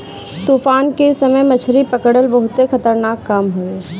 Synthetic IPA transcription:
t̪uːfaːnkesəməjmət͡ʃʰɾipəkəɽəlbəɦʊt̪ekʰɐt̪əɾnaːkkːamɦoeː

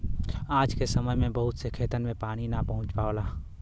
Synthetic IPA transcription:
aːd͡ʒkesɐməjmẽbɐɦʊt̪sekʰeːt̪ənmẽpaːɽ̃inapɐɦʊ̃t͡ʃpaːolaː

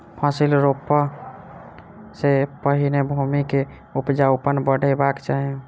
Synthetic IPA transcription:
pʰasilɾopːə | sepəɦinebʱumike | upd͡ʒaupənbəɽ̤ʱebakt͡ʃaɦe

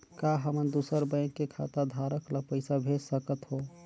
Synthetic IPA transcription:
kaɦəmənd̪usəɾbə̃ɪ̃kːekʰat̪ad̪ʱaɾəklapəɪsabʱed͡ʒsəkət̪ɦo

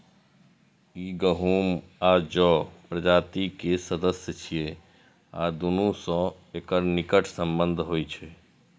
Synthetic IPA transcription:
iːɡəɦuːm | aːd͡ʒɔpɾəd͡ʒaːt̪ikesəd̪əsjət͡ʃʰije | a̰ːd̪onõsɔ̃ | ekəɾnikəʈʰsə̃mbənd̪ʱɦojt͡ʃʰɛ

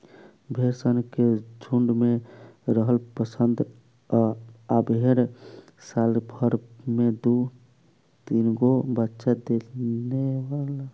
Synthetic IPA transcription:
bʱeɾsənked͡ʒʱuɳɖmeɾəɦəlpəsənd̪ʱ | abʱeɾ | salbʱəɾmed̪u | t̪inɡobətːʃad̪eneʋala

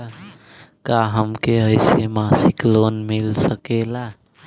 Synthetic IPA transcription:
kaːɦəmkeəɪsemaːsɪkloːnmɪlsəkelaː

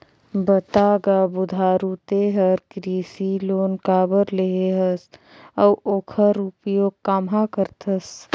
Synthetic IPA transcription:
bət̪aːɡaːbʊd̪ʱaːɾut̪eːɦəɾkɾiːsiloːnkaːbəɾleɦeɦəs | əwʔoːkʰəɾʊpjoːɡkaːmɦakəɾt̪ʰəs

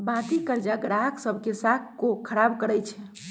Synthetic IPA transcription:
bãt̪ikəɾd͡ʒaɡɽaksəbʱkesakʰkokʰəɾabkəɾəjt͡ʃʰɛ

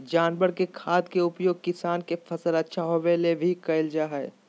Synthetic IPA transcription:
d͡ʒaːnbəɽkekʰaːd̪keʊpjoːɡ̚kɪsaːnkefʰɐsəlɐtːʃʰaɦoʋelebʱikɐɪld͡ʒaɦɛ

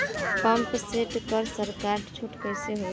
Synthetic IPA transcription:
pʌmpseʈkʌɾsəɾkaɾt͡ʃʰuʈkəjseɦo

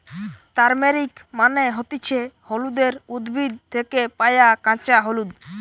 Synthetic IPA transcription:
t̪aɾmeɾikmaneɦɔt̪it͡ɕʰeholud̪eɾud̪bʱid̪̚t̪ʰekepajakãt͡ʃaɦolud̪

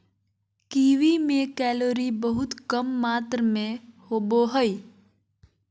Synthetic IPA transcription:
kiːʋimẽkɛːloːɾibəɦʊt̪kəmːaːt̪ɾmẽhoːboɦəi

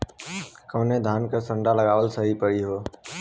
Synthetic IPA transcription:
kəːnẽd̪ʱaːnkəsə̃ɳɖaləɡaːʋəlsəɦipəɽiɦoː

